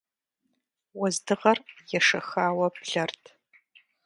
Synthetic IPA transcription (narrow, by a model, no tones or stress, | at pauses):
wɐzdɨʁɐrjɛʂɐxaːwɐpɮɐrtʰ